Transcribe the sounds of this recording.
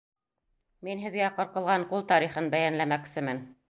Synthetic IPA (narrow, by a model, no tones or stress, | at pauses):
minɦɘ̆ðɡæqɤ̆ɾqɤ̆lˠʁɑɴqulˠt̪ɑɾiχɤnbæjænlæmæksɘmɘn